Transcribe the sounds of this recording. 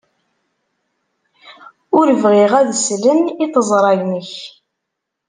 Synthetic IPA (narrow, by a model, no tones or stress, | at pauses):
ʊɾəvʁiʁæðslənit̪əzˤɾˤɑʝməç